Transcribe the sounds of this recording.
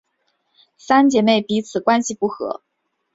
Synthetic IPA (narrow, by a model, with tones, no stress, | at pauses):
sa˥nt͡ɕjɛ˧˥me˥˩ɪpi˧˥t͡sʰɹ̩˨˩kwa˥nɕi˨pu˥˩xɤ̰˧˥